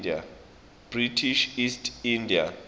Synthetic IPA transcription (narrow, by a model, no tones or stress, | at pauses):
da̰ | b̥ritʰiʃistʰʼindia̰